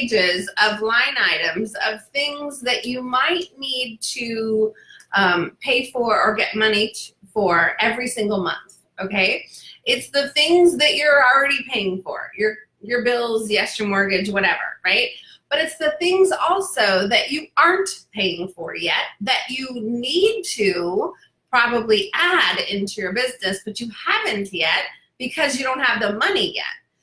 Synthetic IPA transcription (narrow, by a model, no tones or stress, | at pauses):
d͡ʒɪzʌvlãɪ̃naɪɾɨ̃mzʌv̥θɪ̃ŋzðɨt͡ʃɨmaɪtⁿnid̚tʰɨ | ʔʌ̃mpʰeɪfə˞ə˞ɡɛt̚mʌnifə˞ɛvɹisɪ̃ŋɡl̩ˠmʌ̰̃nθ | oʊkʰeɪɪtsðɨθɪ̃ŋzðɨt͡ʃə˞l̩ˠɹɛɾipʰeɪɪ̃ŋfə̰˞jə˞ | jə˞bɪlˠzjɛstə˞mə˞ɡɨd͡ʒwʌɾɛvə̰˞ɹaɪt̚ | b̥ʌɾɨtsðɨθɪ̃ŋzɔlˠsoʊðɨt͡ʃɨɑɹnpʰeɪɪ̃ŋfə̰˞jɛ̰t̪̚ðɨt͡ʃɨnid̚tʰʉ | pʰɹ̥ɑbəbliʔæɾɪ̃ntʰʉjə˞bɪznɨsb̥ʌt͡ʃɨhævɨ̃ntjɛt̚ | b̥ɨkʰʌzjɨɾõʊ̃nt̚həvðəmʌnijɛ̰t̚